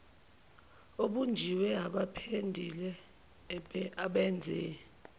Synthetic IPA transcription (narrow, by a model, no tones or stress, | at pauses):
oɓund͡ʒʱiwɛaɓapʰendʱilɛ | aɓɛnd͡zʱɛː